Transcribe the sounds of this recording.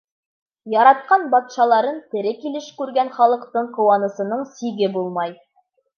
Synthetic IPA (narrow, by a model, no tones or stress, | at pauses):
jɑɾɑt̪̚qɑnbɑt̪ʃɑlˠɑɾɤnt̪ɘ̆ɾɘkilɘʃkʉɾɡænχɑlˠɤ̆qt̪ɤɴqŏwɑnɤ̆sɤ̆nɤɴsiɡɘbulˠmɑj